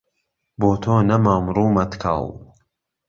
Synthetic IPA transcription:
boːt̪ʰoːnɐmaːmɾuːmɐt̪kʰɑ̰lˠ

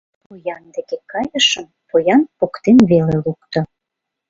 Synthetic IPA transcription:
pojɑnd̪ekekɑjəʃəm | pojɑnpokt̪enβelelukt̪ŏ

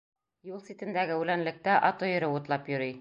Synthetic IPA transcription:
julˠsit̪ɘ̆nd̪æɡɘʉlænlɘ̆k̚t̪æʔɒt̪ojɤ̆ɾɤut̪lˠɑpjɵ̆ɾij

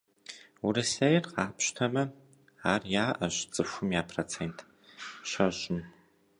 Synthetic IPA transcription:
wʊɾɨsɐjrqɑːpɕtʰɐmɐ | aːrjaːʔɐʑt͡sʼɨxʷʊmjaːpʰrot͡sʰeːntʰ | ɕɐʒɪn

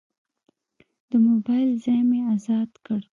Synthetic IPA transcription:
d̪̥əmobɑjlzɑjmeazɑd̪kəɽ

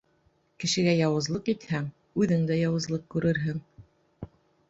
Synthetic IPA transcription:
kɘ̆ʃɘ̆ɡæjɑwɤ̆zlˠɤqit̪hæŋ | ʉðɘŋd̪æjɑwɤ̆zlˠɤq̚kʉɾʔɘɾɦɘŋ

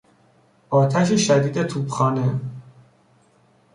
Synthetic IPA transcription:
ʔɒːt̪ʰæʃ̬eʃæd̪iːd̪et̪ʰuːbxɒːne

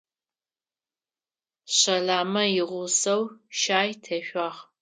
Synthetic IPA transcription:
ɕɐɮaːmɐjɪʁʷʊsɐwʃaːjtʰɐʃʷɑːʁ

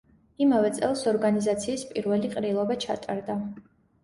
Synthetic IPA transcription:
imavɛt̪sʼɛlˠsɔɾɡanizat̪sʰiːspʼiɾvɛliqʼɾilˠɔbat͡ʃʰa̰t̪ʼaɾd̪a

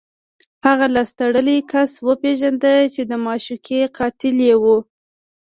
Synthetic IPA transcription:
haɣalɑst̪aɽəlikaswəpeʒand̪ət͡ʃed̪əmɑʃukʰeqɑt̪ɪljewu

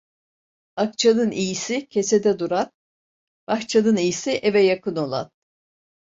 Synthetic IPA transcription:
ak̚t͡ʃʰalɯnijisicʰe̞se̞d̪ɛd̪uɾan | b̥axt͡ʃʰalɯnijisiʔevɛjakʰɯno̞lˠa̰n

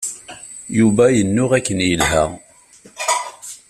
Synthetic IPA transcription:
juvæjənːʊʁækːənjəlɦæ̰

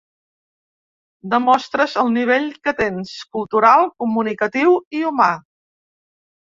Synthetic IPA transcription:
d̪əmɔst̪ɾəzəlˠniβ̞eʎkət̪enskulˠt̪uɾalˠkumunikət̪iwiuma

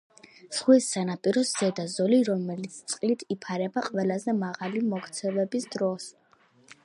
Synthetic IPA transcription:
z̥χwisːanapʼiɾɔsz̥ɛd̪azɔliɾɔmɛlit̪sʰt̪sʼqʼlit̪ʰipʰaɾɛbaqʼwɛlˠazɛmaʁalimɔkt̪sʰɛvɛbisd̪ɾɔs

